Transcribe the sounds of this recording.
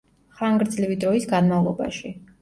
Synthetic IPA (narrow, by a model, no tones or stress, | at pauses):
χaŋɡɾd̪zlivid̪ɾɔisɡanmavlˠɔba̰ʃi